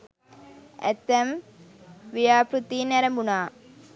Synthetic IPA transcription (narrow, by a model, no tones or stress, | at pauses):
ɛ̰t̪ːɐm | ʋijaːpɾut̪ːinɛɾɐmbunaː